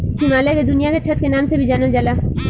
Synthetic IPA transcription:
ɦimaːlaked̪ʊnijaket͡ʃʰət̪kenaːmsebʱid͡ʒaːnəld͡ʒɐla

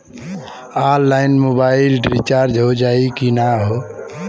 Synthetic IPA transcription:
alːaɪnmobailɖɾit͡ʃaɾd͡ʒɦod͡ʒaikinaɦo

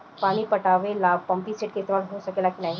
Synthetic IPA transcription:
paɽ̃ipəʈaʋelabpəmpiseʈ̚ket̪ʋaɽɦosəkelakilai

